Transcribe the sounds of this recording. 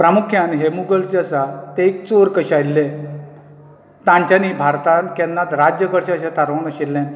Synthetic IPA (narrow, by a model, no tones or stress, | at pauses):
pɾamukʰjanɦemuɡəlt͡ɕeəsat̪eːk̚t͡soɾkəɕajilːe | t̪ãɲt͡ɕanibʱaɾt̪ãnkɛnːat̪ɾad͡ʑjəkəɽɕaəɕãt̪ʰaɾõnəɕelːẽn